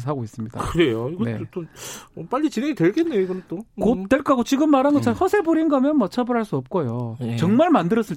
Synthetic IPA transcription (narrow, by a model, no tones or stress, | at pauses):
s̬aɡois͈ɯmɲid̥akɯɾe̞joiɡʌnḛt͈op͈aʎːit͡ɕinɦeŋitwe̞ɭɡenːejoiɡʌnɯnt͈okot͈ːwe̞ɭk͈aɡot͡ɕiɡɯmːaɾɦanɡʌt͡ɕʰanhʌsʰebuɾinɡamjʌnmʌt͡ɕʰʌbɯɾɦaɭs͈uʌp̚k͈ojot͡ɕʌŋmaɭmandɯɾʌs͈ɯɭ